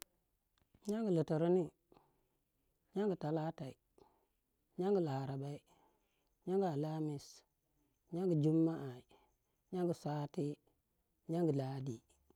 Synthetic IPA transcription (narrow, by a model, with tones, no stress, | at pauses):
ɲa˦ŋɡə˨lə˨tə˨ɾi˦ni˦ | ɲa˦ŋɡə˨ta˨la˦ta˨i˨ | ɲa˦ŋɡə˨la˨ɾa˨ba˦i˦ | ɲa˦ŋɡa˨la˦mi˨s | ɲa˦ŋɡə˨d͡ʒu˦mːa˦ʔa˨i˨ | ɲa˦ŋɡə˨sa˦ti˦ | ɲa˦ŋɡə˨la˨˦di˨